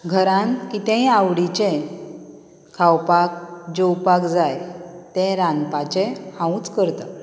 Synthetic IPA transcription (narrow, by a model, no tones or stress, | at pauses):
ɡʱəɾãnkit̪ɛ̃awɽit͡ɕẽ | kʰawpak̚d͡ʑowpakd͡zajt̪ɛ̃ɾãnpat͡ɕẽhãũt͡skəɾt̪a